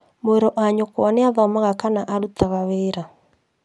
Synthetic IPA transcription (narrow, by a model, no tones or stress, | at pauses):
moeɾɔʔaɲokwaneaðɔmaɣakanaʔaɾutaɣaweːɾa